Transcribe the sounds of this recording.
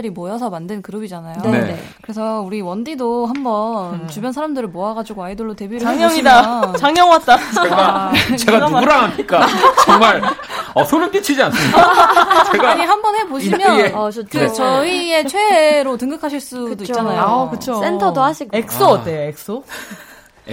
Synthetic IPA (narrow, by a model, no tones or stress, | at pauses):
ɯɾimojʌsʰʌmandɯnkɯɾɯbid͡ʑanajoeekɯɾe̞sʰʌuɾiwʌndidoɦambʌnnnt͡ɕubjʌnsʰaɾamdɯɾɯɭmoaɡad͡ʑiɡoaidɯɭːote̞biɾɯɭaaŋjʌŋidat͡ɕaŋjʌŋwat̚t͈at͡ɕeɡat͡ɕeɡauɡuɾaŋɦamɲik͈at͡ɕʌŋmaɭʌsʰonɯnp͈it͡ɕʰid͡ʑians͈ʰɯmit͡ɕeɡaaɲiɦambʌnhe̞boɕʰimjʌet͡ɕʰɯt͡ɕʌie̞t͡ɕʰweeɾotɯŋɡɯkʰaɕʰiɭs͈udoit͡ɕanajkɯt͡ɕʰosentʰʌdohaɕʰiɡek̚s͈oʌt͈eek̚s͈o